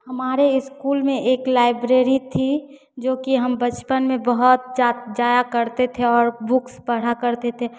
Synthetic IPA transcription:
hɐmaːɾeɪskuːlmẽʔeːklaːɪbɾeːɾit̪ʰi | d͡ʒoːkiɦəmbət͡ʃpənmẽbəɦʊt̪̚d͡ʒad͡ʒaːjakəɾt̪et̪ʰeɔːɾbʊksbəɽ̤akəɾt̪et̪ʰe

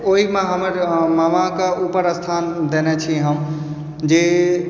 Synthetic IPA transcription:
oɦimeɦəməɾmamakeupəɾəst̪ʰand̪enɛt͡ʃʰiɦəm | d͡ʒe

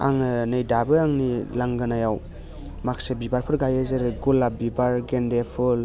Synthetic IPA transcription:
a̰ŋɯnɯjdabɯaŋnilaŋɡɯnajaw | maksebibaɾpʰɯɾɡajɯzɯɾɯɡulabibaɾɡendepʰɯl

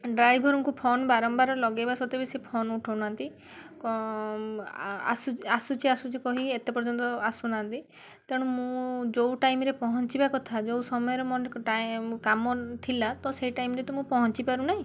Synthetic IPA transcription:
ɖɾajbʱɔɾɔŋkupʰonbaɾɔmbaɾɔlɔɡebasɔt̪ebesepʰonuʈʰɔwnant̪i | k | a̰suasut͡ʃʰiasut͡ʃikɔɦiet̪epɔɾd͡ʒɔnt̪ɔasunant̪i | t̪eɽ̃umũd͡ʒowʈajmɾepɔɦɔnt͡ʃibakɔt̪ʰad͡ʒowsɔmɔjɔɾemɔnʈamkamɔt̪ʰilat̪ɔseiʈajmɾet̪ɔmũpɔɦɔnt͡ʃipaɾunaɦĩ

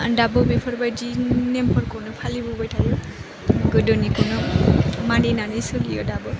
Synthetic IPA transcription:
dabɔbepʰɔɾbajd͡ʒinempɔɾkɔnɔpʰalibubajtʰajɔ | ɡɯdɔnikɔnɔmandinanɯsulijɔ̰dabɔ

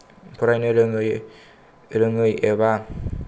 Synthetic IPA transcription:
pʰuɾajnɯɾɯŋɯj | ɾɯŋɯjeba

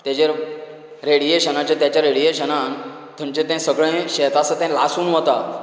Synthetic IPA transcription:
t̪jat͡ɕeɾ | ɾeɽieɕənat͡ɕjat̪jat͡ɕjaɾeɽijeɕənan | t̪ʰə̃nt͡ɕẽt̪ɛ̃səɡɭẽɕɛt̪asət̪ɛ̃lasuːnɦot̪a

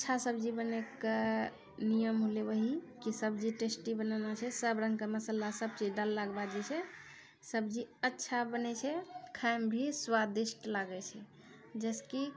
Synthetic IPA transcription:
əːʃʰasəbd͡ʒibəneke | nijəmɦolebəɦikisəbd͡ʒiʈesʈibənanat͡ʃʰɛsəbɾə̃ŋɡkeməsəlːasəb̚t͡ʃiɖəlːaɡbad͡ʒɛt͡ʃʰɛ | səbd͡ʒiətːʃʰabənɛt͡ʃʰɛkʰajmbʱiswad̪isʈlaɡɛt͡ʃʰɛ | d͡ʒɛski

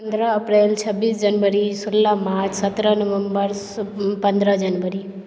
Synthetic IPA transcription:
ənd̪ɾəəpɾelt͡ʃʰəbːisd͡ʒənʋəɾisʊlːamat͡ʃsət̪ɾənəʋəmbəɾ | pə̃nd̪ʱɾəd͡ʒənʋəɾi

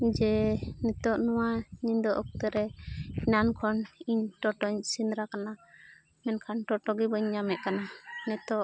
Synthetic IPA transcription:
d͡ʒɛnɛt̪ɔʔnɔwaɲiɲd̪ɔʔɔk̚t̪ɛɾɛinankʰɔniɲʈɔʈɔɲsinɾakana | mɛnkʰanʈɔʈɔɡibɔɲːamɛʔkananɛt̪ɔʔ

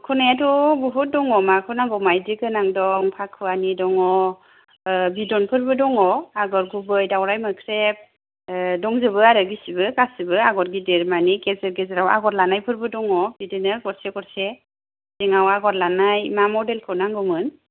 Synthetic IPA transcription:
kʰɔnajatɔbɔɦut̚dɔŋɔmakʰɯnaŋɡɔmajdiɡɯnaŋdɔŋpʰakʰɯanidɔŋɔ | bidɔnpʰɯɾbɯdɔŋɔaɡɔɾɡubɯjdawɾajmɯkʰɾep̚ | dɔŋzɯbɯaɾɯɡisibɯkasibɯaɡɔɾɡideɾmanikezɯɾɡezɯɾawa̰ɡɔɾlanajpʰɯɾbɯdɔŋɔbidɯnɯɡɔɾseɡɔɾse | zeŋawaɡɔɾlanajmamɔdelkʰɯnaŋɡɯmɯn

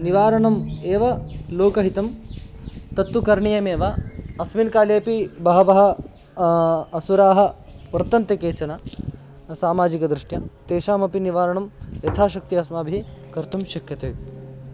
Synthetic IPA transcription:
niʋaːɾɐɳɐmeːʋɐloːkɐɦit̪ɐm | t̪ɐt̪ʋɐkɐɾɳijɐmeːʋaɐsminkaːleːpibɐɦɐʋɐɦɐ̆ | suɾaːɦɐ̆pɐɾt̪ːɐnt̪ɐkeːt͡ʃɐna | saːmaːd͡ʒikɐd̪ɾiʂʈjɐt̪eːʃaːmɐpiniʋaːɾɐɳɐmjɐt̪ʰaːʃɐk̚t̪iɐsmaːbʱikɐɾt̪umʃɐkjɐt̪eː

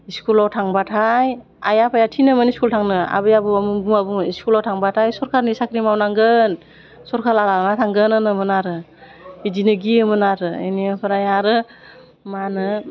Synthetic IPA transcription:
iskulawtʰaŋbatʰaj | a̰japʰajatʰinɯmɯniskultʰaŋnɯa̰bɯjabuamubuŋabuŋiskulawtʰaŋbatʰajsɔɾkʰaɾnisakʰɾimawnaŋɡɯn | sɔɾkʰaɾalanatʰaŋɡɯnɯnɯmɯnaɾɯ | id͡ʒinɯɡiɯmɯnaɾɯḛniapʰɯɾajaɾɯ | manɯ

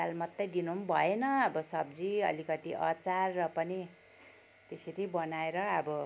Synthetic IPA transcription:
almʌt̪ːʌjd̪inumbʱʌenʌʌbʌsʌbd͡ziʌ̰likʌt̪iʔʌ̰t͡sarːʌpʌni | t̪eseɾibʌnaeɾʌʌbʌ

